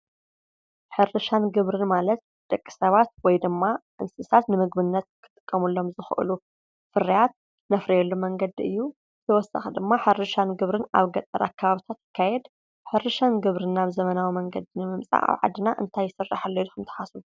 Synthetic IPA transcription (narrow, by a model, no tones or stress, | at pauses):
ħɨɾɨʃanɡɨβɾɨnmalɐt̪̚ | d̪̥ʼɐkʼːi̥sɐβat̪̚wɔjd̪ɨmːaʔɨnsɨsat̪nɨmɨɡbɨnːɐt̪̚kʰɨ̥t̪ʼɨ̥kʼːɐmulːo̞mzɨxʔɨ̰lu | fɨrijat̪̚ | nɐfɾijɛlːumɐŋɡɐd̪iɨ̰jːu | zɨt̪ʰɐwɔsa̰xɨd̪ɨmːaħɨɾɨʃanɡɨβɾɨna̰βɡɐt̪ʼɐɾa̰kʰːɐβaβit̪ʰat̪jɪkʰːajɛd̪ | ħɨɾɨʃanɡɨβɾɨnaβzɐmɐnawimɐŋɡɐd̪inɨmɨmt͡sʼa̰ʔa̰βʕa̰d̪ɨnaʔɨnt̪ʰajːɪsɨrːa̰ħalːɐjukʰɨmt̪ʰɐ̥ħasuu